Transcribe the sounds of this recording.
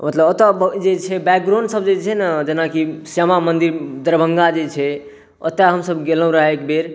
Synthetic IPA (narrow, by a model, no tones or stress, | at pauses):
mət̪ləbət̪abd͡ʒet͡ʃʰɛbɛk̚ɡɾãɳɖsəbd͡ʒet͡ʃʰɛnad͡ʒenakisəmamənd̪iɾd̪əɾbʱəŋɡad͡ʒet͡ʃʰɛ | ə̰t̪aɦəmsəbɡelə̃ɾəɦekbeɾ